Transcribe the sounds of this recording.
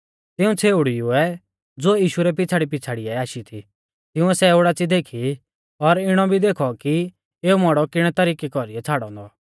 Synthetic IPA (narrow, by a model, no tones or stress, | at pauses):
t̪ɪũt͡sʰeːʊɽijuɛ | d͡zoːjiːʃuɾɛp̬ɪt͡sʰaːɽip̬ɪt͡sʰaːɽiɛaːʃit̪ʰḭ | t̪ɪũɛsɛoːɽat͡sid̪eːkʰi | ɔɾɪɽ̃ɔbʱid̪eːkʰɔki | eːumɔɽɔkɪɽ̃ɛt̪ɐɾiːkikɔɾiɛt͡sʰaːɽɔ̃ːnd̪ɔ